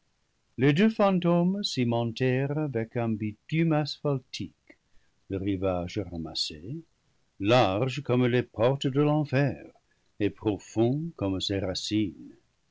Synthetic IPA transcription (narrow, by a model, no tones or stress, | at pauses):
ledøfɑ̃tomsimɑ̃ntɛʁavɛkɛ̃bitymasfaltʰik | ləʁivaʒəʁamase | laʁʒəkɔmlepɔʁt̪ədəlɑ̃fɛʁ | epʁofɔ̃kɔmseʁasin